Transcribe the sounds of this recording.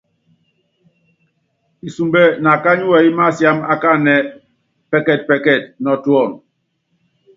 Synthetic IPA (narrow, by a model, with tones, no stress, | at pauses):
i˨su˨mbɛ˦na˨ka˦ɲu˦wɛ˨i˦ma˦˨sja˦ma˦ka˦˨nɛ˨ | pɛ˦kɛ˨t̚pɛ˨kɛ˦˨t̚nɔ˨tu˦ɔ˦˨ŋ